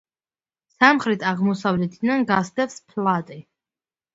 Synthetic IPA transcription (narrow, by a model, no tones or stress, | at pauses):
samχɾit̪ʰaʁmɔsavlɛt̪ʰd̪nanɡast̪ɛpspʰlˠat̪ʼi